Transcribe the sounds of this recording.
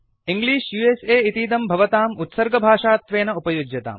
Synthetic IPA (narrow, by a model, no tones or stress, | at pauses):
iŋɡliːʃjuːeːseːit̪iːd̪ɐmbʱɐʋɐt̪aːmut̪sɐɾɡɐbʱaːʂaːt̪ʋeːnɐupɐjud͡ʒjɐt̪a̰ːm